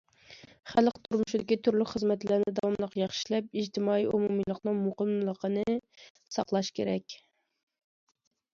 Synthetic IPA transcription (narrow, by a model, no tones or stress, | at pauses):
χælˠqt̪ʰuɾmuʃɪd̪ɪkʲit̪ʰyɾlykʲχəzmɛt̪læɾnɪd̪ɑwɑmlˠəqjɑχʃilɛp̚id͡ʒt̪ʰɪmɑːiumumɨlˠəqnɨŋmoqəmlˠəqʰənɨ | sɑqlˠɑʃkʲʰeɾɛkʲ